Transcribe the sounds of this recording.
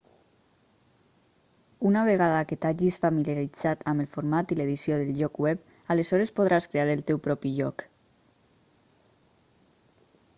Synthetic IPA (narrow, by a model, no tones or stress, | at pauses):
unaβ̞eɣ̞aðaket̪aʒisfamiljaɾid͡zat̪ʰaməlˠfuɾmat̪ileðisjoðəlʎɔkwɛp | aləzɔɾespoðɾaskɾeaɾəlˠt̪ɛwpɾɔpiʎɔk